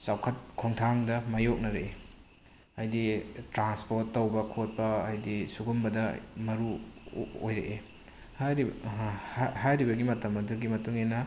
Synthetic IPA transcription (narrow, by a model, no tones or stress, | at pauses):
sawkʰɐt̚kʰoŋtʰaŋdɐmajok̚nɐɾee | ajditɾanspoɾtːɐwbɐkʰot̚pɐːjdisuɡumbɐdɐmɐɾu | o̰jɾḛʔe | hajɾi | hajɾibɐɡimɐtɐmɐduɡimɐtuŋenɐ